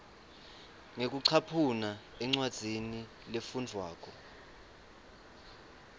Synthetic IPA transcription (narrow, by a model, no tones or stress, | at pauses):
ŋek̬ʼuǀʰapʰunaɛŋ͡ǀwad̥z̥ʱini | lefund͡ɮʱwaːk̬ʰʼɔ